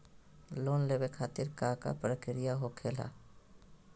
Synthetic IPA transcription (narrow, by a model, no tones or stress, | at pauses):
loːnlebekʰaːt̪ɪɾkaːka̰pɾəkɪɾɪjaɦokʰeːla̰ː